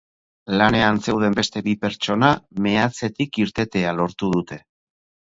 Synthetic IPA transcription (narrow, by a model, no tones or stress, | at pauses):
lane̞anse̞wð̞e̞mbe̞st̪e̞βipe̞ɾt͡ʃo̞name̞at͡se̞t̪ikiɾt̪e̞t̪e̞alo̞ɾt̪uð̞ut̪e̞